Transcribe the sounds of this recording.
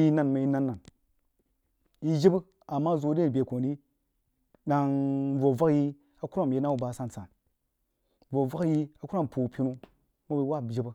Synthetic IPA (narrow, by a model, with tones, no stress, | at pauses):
ji˦na˦˨nma˨ji˦na˦nːa˨n | ji˦d͡ʒi˦bɨ˦ | a˨mːa˦zo˨˦de˦˨be˨ko˨ni˦ | ɗa˨ŋvo˨va˦kji˦ | a˨ku˦ɾa˦˨m˨je˦na˦wu˦˨ba˨sa˦n˨sa˨n | vo˨va˦kji˦a˨ku˦ɾa˦˨m˨pʰu˨pi˦nu˦ | mo˦be˦wa˦˨d͡ʒi˦bɨ˦